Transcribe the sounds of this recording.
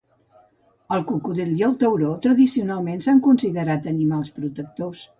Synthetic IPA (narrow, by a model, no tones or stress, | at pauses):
əlˠkukuðeljəlˠt̪əwɾot̪ɾəðisiunalˠmensaŋkunsiðəɾat̪ənimalˠspɾut̪ək̚t̪os